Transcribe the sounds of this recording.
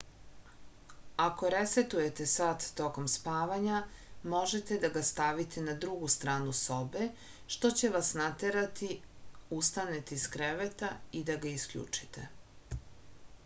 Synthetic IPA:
ako̞ɾeset̪uje̞t̪esat̪ːo̞ko̞mspaːʋaɲamo̞ʒet̪e̞d̪aɡast̪aʋit̪ʰenad̪ɾuɡust̪ɾaːnuso̞be | ʃt̪o̞t͡ɕe̞ʋasnat̪eɾat̪iust̪anet̪iskɾeʋet̪aid̪aɡaiskʎʲṵːt͡ʂi̥t̪ʰḛ

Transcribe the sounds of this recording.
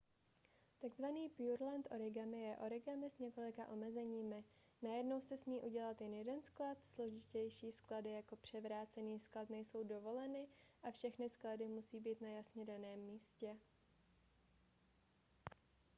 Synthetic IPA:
t̪aɡzvaniːpjuɾlɛnt̪ʔo̞ɾɪɡamɪjɛʔo̞ɾɪɡamɪsɲɛko̞lɪkaʔo̞mɛzɛɲiːmɪ | najɛdno̞wsɛsmiːʔuɟɛlat̪jɛnjɛdɛnsklat̪slo̞ʒɪcɛjʃiːskladɪjako̞pr̝̥ɛvɾaːt͡sɛniːsklat̪nɛjso̞wdo̞vo̞lɛnɪʔafʃɛxnɪskladɪmusiːbiːt̪najasɲɛdanɛːmːiːscɛ

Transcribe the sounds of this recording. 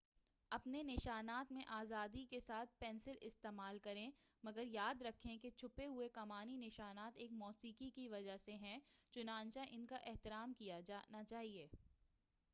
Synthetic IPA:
ɐpnenɪʃaːnaːt̪mẽʔaːzaːd̪ikesaːt̪̚ʰpɛ̃ːnsɪlɪst̪eːmaːlkɐɾẽmɐɡəɾjaːd̪ɾɐkʰːẽket͡ʃʰʊpeɦʊekɐmaːninɪʃaːnaːt̪eːkmɔːsiːkikiʋɐd͡ʒaseɦɛ̃t͡ʃʊnaːnt͡ʃaʔɪnkaʔɛɦt̪ɪɾaːmkijad͡ʒaːnat͡ʃaːɦieː

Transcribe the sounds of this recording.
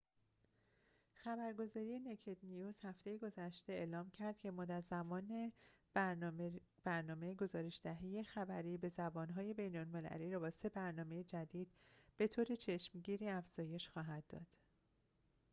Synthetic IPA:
xæbæɾɡo̞zɒːɾije̞necʰed̪nijuːzhæft̪ʰejeɡo̞zæʃt̪e̞eːlɒːmcʰæɾd̪̥cʰe̞mɒːd̪æɾzæmɒːne | b̥æɾnɒːme̞jeɡo̞zɒːɾe̞ʃd̪̥æɦeje̞xæbæɾiːbe̞zæbɒːnɦɒːje̞be̞jnolme̞læ̰liːɾɒːbɒːse̞bæɾnɒːme̞jed͡ʒæd̪iːd̪̥̚b̥e̞t̪ʰoːɾe̞t͡ʃʰe̞ʃmɟiːɾiːæfz̥ɒːje̞ʃxɒːɦæd̪ːɒ̰ːd̪̥

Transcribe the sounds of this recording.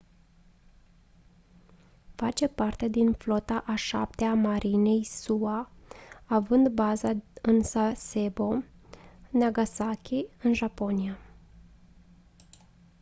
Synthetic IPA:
fat͡ʃe̞part̪e̞d̪inflo̞t̪aʔaʃa̰p̚t̪eamaɾʔine̞jsuaː | vɨnd̪bazaɨnsase̞bo̞ | naɡasakʲiɨnʒapo̞nia

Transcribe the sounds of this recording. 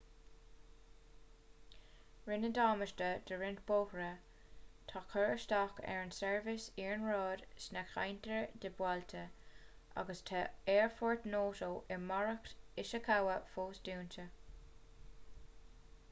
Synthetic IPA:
ɹɪnədɑːməʃtəd̪əɹɪntb̥oːhɾə | t̪ʰakʰəɹəʃtakɛ̰ɹənsɛɹvɪsiːɹnɹɑːd̥snɛkxa̰jnt̪ʰəɹd̪ɪbwalt̪ʰə | ʔa̰ɡəst̪ʰaɛːɹfɔɹt̪noːtoːʔɪmaɹəktɪʃəkʰawəfoːsd̥uːntʰə

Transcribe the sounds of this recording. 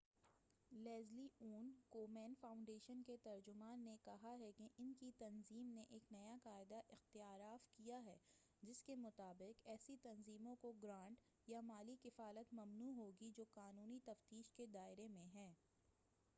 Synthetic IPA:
lɛːzliuːnkoːmɛ̃ːnfãːʊ̃ɳɖeːʃənket̪ɐɾd͡ʒʊmaːnːekɐɦaɦɛkeʔɪnkit̪ɐnziːmneʔeːknɐjaqaːɪd̪aʔɪxt̪ɪjaːɾaːfkijaɦɛː | d͡ʒɪskemʊt̪aːbɪqɛːsit̪ɐnziːmõkoɡɾãːɳʈ | jamaːlikɪfaːlət̪mɐmnuːɦoːɡid͡ʒoːqaːnuːnit̪ɐft̪iːʃked̪aːɪɾemẽɦɛ̃ː

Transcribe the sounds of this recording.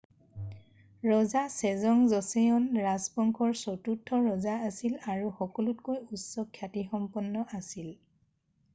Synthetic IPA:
ɹɔzasɛzɔŋzɔseɔnɹazbɔŋkʰɔɹsotutʰːɔɹɔzaasilaɹuxɔkɔlutkojusɔkʰːjatixɔmpɔnːɔʔasil

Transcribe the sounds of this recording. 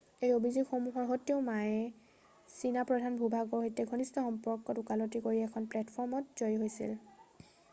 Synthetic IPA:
ejobʱizikxomuɦɔɹɦotːieʊmaɛ | sinapɹɔdʱanbʱubʱaɡɔɹɦojtɛɡʱonistɔxɔmpɔɹkːɔtukalotikoɹiɛkʰɔnplɛtpʰɔɹmɔt̚zojɦojsḭl

